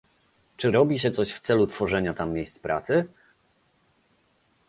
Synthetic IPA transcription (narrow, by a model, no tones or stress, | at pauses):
t͡ʂɘɾɔbʲiɕɛt̪sɔɕft̪sɛlut̪fɔʐɛɲat̪amːjejst̪spɾʔa̰t̪sɘ